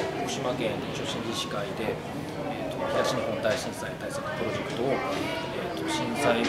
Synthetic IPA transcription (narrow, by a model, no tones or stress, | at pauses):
koɕimakẽ̞nɲit͡ɕo̞ɕĩɲd͡ʑiɕi̥kaid̪e̞ | et̪ːoçi̥t̪aɕinohõ̞nd̪aiɕĩñsaiɲit̪aisanapɯ̟ɾo̞ʑe̞kɯ̟̥t̪o̞ː | et̪ːoɕĩsai